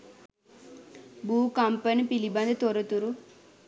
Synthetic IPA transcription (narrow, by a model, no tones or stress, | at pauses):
buːkampənpiliband̪ət̪oɾət̪uɾu